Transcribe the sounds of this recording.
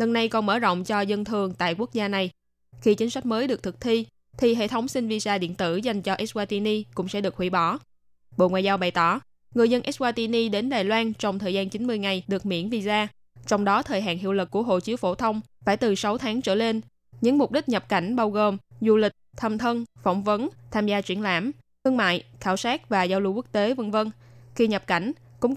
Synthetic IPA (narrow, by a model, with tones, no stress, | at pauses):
lə˧˩nːa˧jkɔ˨˩nməː˧˩zo̰˧˨wŋ͡mt͡ɕɔ˧zə˧nt̪ʰɨ˨˩əŋt̪a̰ː˧˨jku˦˥ək̚zaː˧na˨˩j | xi˧t͡ɕï˨˦ŋsa˦˥k̟̚məː˨˦jɗɨ˨˩ək̚t̪ʰɨ˨˩k̚t̪ʰi˧ | t̪ʰi˨˩ɦḛ˧˨t̪ʰə˨˦wŋ͡msi˧ŋ̟vi˧zaː˧ɗḭ˧˨nt̪ɨ̰˧˩za˨˩jŋ̟t͡ɕɔ˧ʔɛ˦˥s̚waː˧t̪i˧ni˧kʊ̰˧˥ŋ͡msɛ̰˧˥ɗɨ˨˩ək̚hwi˧˩ɓɔ˧˩ | ɓo̰˧˨ŋwa̰ː˨jzaː˧wɓa˨˩jt̪ɔ˧˩ | ŋɨ˨˩əzə˧nʔɛ˦˥s̚waː˧t̪i˧ni˧ɗe˨˦nɗaː˨˩jlwaː˧nt͡ɕɔ˧wŋ͡mt̪ʰəː˨˩jzaː˧nt͡ɕi˨˦nmɨ˧əjŋa˨˩jɗɨ˨˩ək̚mḭ˧˥ənvi˧zaː˧ | t͡ɕɔ˧wŋ͡mɗɔ˨˦t̪ʰəː˨˩jɦa̰ː˧˨nɦḭ˧əwlɨ˨˩k̚ku˧˩əɦo̰˧˨t͡ɕi˨˦əwfo˧˩t̪ʰə˧wŋ͡mfaː˧˩jt̪ɨ˨˩sa˨˦wt̪ʰaː˨˦ŋt͡ɕəː˧˩le˧n | ɲɨ̰˧˥ŋmʊ˨˩k͡p̚ɗi˦˥k̚ɲə˨˩p̚ka˧˩jŋ̟ɓaː˧wɣo˨˩mzu˧lï˨˩k̟̚t̪ʰaː˧mt̪ʰə˧nfɔ˧˩wŋ͡mvə˨˦nt̪ʰaː˧mzaː˧t͡ɕwi˧˩ənla̰ː˧˩m | t̪ɨ˧əŋma̰ː˧˨jxaː˧˩wsaː˦˥k̚vaː˨˩zaː˧wlṵ˧ku˦˥k̚t̪e˨˦və˧nvə˧nxi˧ɲə˨˩p̚ka˧˩jŋ̟ | kʊ̰˧˥ŋ͡m